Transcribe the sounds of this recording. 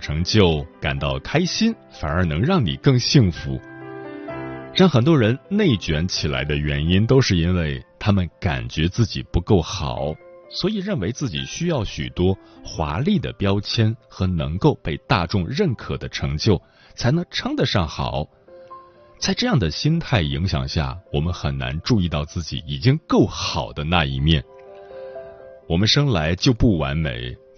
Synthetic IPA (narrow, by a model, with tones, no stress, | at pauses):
ʈ͡ʂʰɤ˧˥ŋt͡ɕjo˥˩ʊka̰˨˩nt̪ɑ˥˩ʊkʰa˥ɪɕi˥n | fa˨˩nə˞˧˥nɤ˧˥ŋɻɑ˥˩ŋnḭ˨˩kɤ˥˧ŋɕi˥˩ŋfṵ˧˥ | ɻɑ˥˩ŋxə˨˩nt̪̬wɔ˥ɻə˧˥nne˥˩ɪt͡ɕɥɛ˧˥nt͡ɕʰi˨˩la̰˧˥ɪd̪ə˧ɥɛ˧˥ni˥nt̪o˥ʊʂɻ̩˥˩i˥nwe˥˩ɪt̪ʰa˥mə˨nka̰˨˩nt͡ɕɥɛ˧˥t͡sɹ̩˥˩t͡ɕḭ˨˩pu˧˥ko˥˩ʊxɑ̰˨˩˦ʊswɔ˧˥i˨˩ɻə˥˩nwe˧˥ɪt͡sɹ̩˥˩t͡ɕḭ˨˩ɕy˥jɑ˥˩ʊɕy̰˨˩t̪wɔ˥xwa̰˧˥li˥˩d̪ə̰˩pjɑ˥ʊt͡ɕʰjɛ˥nxɤ˧˥nɤ˧˥ŋko˥˧ʊpe˥˧ɪt̪a˥˧ʈ͡ʂʊ˥˧ŋɻə˥˩nkʰɤ˨˩d̪ə˦ʈ͡ʂʰɤ˧˥ŋt͡ɕjo˥˩ʊ | t͡sʰa˧˥ɪnɤ˧˥ŋʈ͡ʂʰɤ˥ŋd̪ə˨ʂɑ˥˩ŋxɑ̰˨˩˦ʊ | t͡sa˥˧ɪʈ͡ʂɤ˥˧jɑ˥˩ŋd̪ə˩ɕi˥nt̪ʰa˥˩ɪi˧˥ŋɕjɑ̰˨˩ŋɕja̰˥˩wɔ˨˩mə˦nxə˨˩nna̰˧˥nʈ͡ʂu˥˧i˥˧t̪ɑ˥˧ʊt͡sɹ̩˥˩t͡ɕḭ˨˩i˨˩t͡ɕi˥ŋkɤ˥˩ʊxɑ˨˩ʊd̪ə˦na˥˧i˧˥mjɛ˥˩n | wɔ˨˩mə˦nʂɤ˥ŋla˧˥ɪt͡ɕjo˥˧ʊpu˥˩wa˧˥nmḛ˧˥ɪ